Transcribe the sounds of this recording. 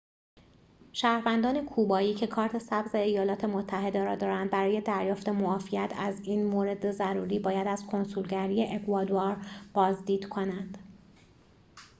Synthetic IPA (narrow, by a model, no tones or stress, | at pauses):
ʃæːhɾvænd̪ɒːne̞kʰuːbɒːjiːcʰe̞kʰɒːɾt̪ʰe̞sæbze̞ːjɒːlɒːt̪ʰe̞mot̪ʰːæɦe̞d̪eɾɒːd̪ɒːɾænd̪̚bæɾɒːje̞d̪æɾjɒːft̪e̞moɒːfijæt̪ʰæziːnmoːɾe̞d̪ezæɾuːɾiːbɒːjæd̪æz̥kʰo̞nsulɟæɾijeʔekʰuɒd̪uɑɾb̥ɒːzd̪iːd̪̥kʰo̞nænd̪̥